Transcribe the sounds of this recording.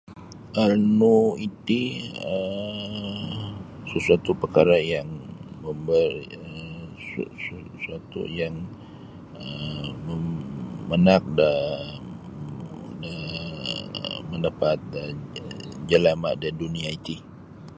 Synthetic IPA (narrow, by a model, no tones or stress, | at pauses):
ʔarnuit̪iə | səsuat̪upərkaɾajaŋməmbəriə | ssə | suat̪ṵjaŋ | əməː | ənak̚də | də | məndəpat̪̚ə | d͡ʒəlamadəduniait̪i